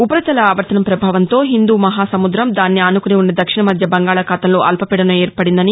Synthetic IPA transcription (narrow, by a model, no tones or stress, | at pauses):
upɐɾɐt̪ɐlɐaːʋɐɾt̪ɐnɐmpɾɐbʱaːʋɐnt̪o̞ːɦind̪uːmɐɦaːsɐmud̪ɾɐmd̪aːnːiaːnukuniunːɐd̪ɐkʂiɳɐmɐd̪ʱjɐbɐŋɡaːɭɐkaːt̪ɐmlo̞ːʔɐlpɐpɛɽɐnɐeːɾpɐɽind̪ɐni